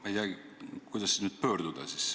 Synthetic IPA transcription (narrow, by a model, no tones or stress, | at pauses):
mɑejd̪ɑɡkujd̪̥ɑsːnyːd̪̥̚pøːɾd̪ud̪̥ɑsis